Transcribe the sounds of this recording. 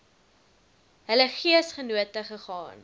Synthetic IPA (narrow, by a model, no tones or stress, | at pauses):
ɦələχiəsχənuətəχəχɑ̰ːn